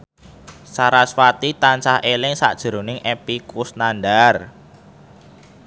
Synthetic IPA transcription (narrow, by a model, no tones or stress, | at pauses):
saɾaswat̪it̪ansahelɪŋsa̰ʔd̥ʒ̥ə̤ɾonɪŋʔepikusnanɖar